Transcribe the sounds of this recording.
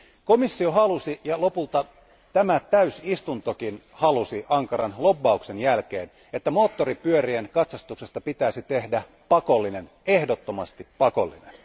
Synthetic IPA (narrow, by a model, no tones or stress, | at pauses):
komisːioɦɑlusijɑlo̞pult̪ɑ | t̪æmæt̪æysist̪unt̪okin | hɑlusiʔɑŋkɑɾɑnlo̞bːɑukse̞njælk̟ḛːn | et̪ːæmo̞ːt̪ːoripyøɾienkɑt̪sɑst̪ukse̞st̪ɑpit̪æːsit̪ehdæ | pɑko̞lːine̞n | e̞hdot̪ːomɑst̪ippːɑko̰lːḭnḛn